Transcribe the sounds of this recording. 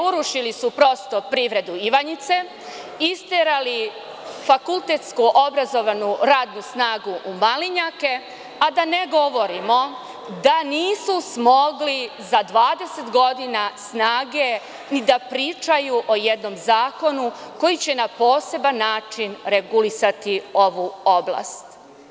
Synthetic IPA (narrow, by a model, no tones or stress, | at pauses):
uɾuʃilisupɾo̞st̪o̞pɾiʋɾe̞d̪uiʋaɲit̪se̞ | ist̪eɾali | fakulˠt̪e̞t̪skuʔo̞bɾazo̞ʋanuɾaːd̪nusnaːɡuʔːmaliɲake̞ | ad̪aneɡo̞ʋo̞ɾimo̞ | d̪aniːsusmo̞ɡlizad̪ʋaːd̪e̞se̞t̪ɡo̞d̪inasnaːɡe̞ | nid̪apɾiːt͡ʃajuʔo̞jɛd̪no̞mzaːko̞nuko̞jit͡ɕe̞napo̞ːse̞banːaːt͡ʂinɾe̞ɡulisat̪io̞ʋuobla̰st̪